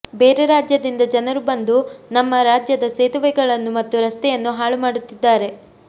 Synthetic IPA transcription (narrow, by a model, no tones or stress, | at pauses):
be̞ːɾeɾaːd͡ʒjɐd̪ind̪ɐd͡ʒɐnɐɾubɐnd̪unɐmːɐɾaːd͡ʒjɐd̪ɐseːt̪uʋɛɡɐɭɐnːumɐt̪ːuɾɐst̪ɛjɐnːuɦaːɭumaːɽut̪ːid̪ːaːɾe̞